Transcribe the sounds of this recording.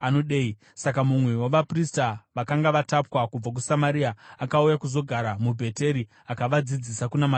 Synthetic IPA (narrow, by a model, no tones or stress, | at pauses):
anoɗei | sak̬amumwe̞waʋapristaʋakaŋɡaʋatapwakub͡vak̬usamaɾiaakaujakuzo̞ɡʱaɾamubʱe̞te̞ɾi | akaʋad͡zid͡zisakunama